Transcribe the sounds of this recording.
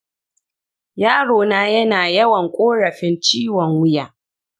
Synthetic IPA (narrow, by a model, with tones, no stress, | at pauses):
jaː˦ɽoː˨naː˦jɐ˦naː˨jɐ˦wɐ˨ŋkʷʼoː˦ɽɐ˨ɸɪ˦nt͡ʃiː˦wɔ˨ŋwʊ˦jaː˨